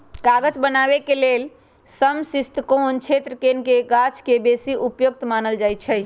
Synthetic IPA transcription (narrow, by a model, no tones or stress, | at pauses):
kaɡəd͡ʒbənabekelel | səmsist̪kont͡ʃʰet̪ɾəkenkeɡat͡ʃʰkebesiʔupjok̚t̪manəld͡ʒajt͡ʃʰə